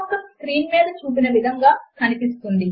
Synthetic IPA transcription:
kːɐskɾiːnmiːd̪ɐt͡ʃuːp̬inɐʋid̪ʱɐŋɡaːkɐnipist̪und̪i

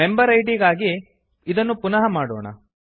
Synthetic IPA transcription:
e̞mbɐɾɐjʈ̬iɡaːɡi | id̪ɐnːupunɐɦɐmaːɽɔːɳɐ̰

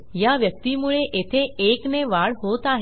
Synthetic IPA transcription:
jaʋjək̚t̪imuɭeʔet̪ʰeekneʋaɭɦot̪aɦe

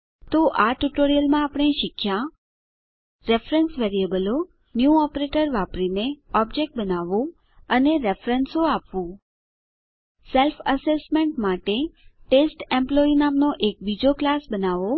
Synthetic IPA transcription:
t̪oʔaʈuʈoɾijəlmãapɽ̃eʃɪkʰːja | ɾefɾənsʋeɾiəbəlo | njuɔpɾeʈəɾʋapɾineɔb̚d͡ʒek̚ʈ̚bənaʋũ | əneɾefɾənsoapʋũ | selfəsesmeɳʈmaʈeʈesʈẽmploinamnoʔek̚bid͡ʒoklasbənaʋo

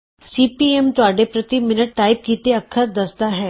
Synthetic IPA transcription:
siːpiːɛːmt̪ʊaːɖeːpɾət̪imɪnəʈ̚ːaːɪb̚kiːt̪eəkʰːəɾd̪əsd̪aɦɛː

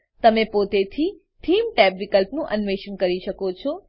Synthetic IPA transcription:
t̪əmẽpot̪et̪ʰi | t̪ʰimʈɛbʋikəlpnũʔənʋeʃənkəɾiʃəkot͡ʃʰɔ

